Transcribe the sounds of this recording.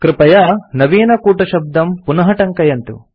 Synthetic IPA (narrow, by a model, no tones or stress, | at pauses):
kɾɪpɐjɐnɐʋiːnɐkuːʈɐʃɐb̚d̪ɐmpunɐɦɐʈɐŋkɐjɐnt̪ṵ